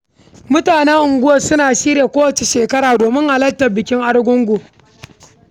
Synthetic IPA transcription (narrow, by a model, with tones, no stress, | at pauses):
mʊ˦taː˨ne˦ʔʊ˨ŋɡʷʊ˦wɐ˨sʊ˦naː˨ʃiː˦ɾa˨kʷoː˦wɐ˨t͡ʃe˨ʃeː˨kɐ˦ɾaː˨doː˨mɪ˦ŋʔa˨lɐ˦tːɐ˨bɪ˨kʲɪ˦ŋʔa˦ɽɡʷʊ˦ŋɡʷo˨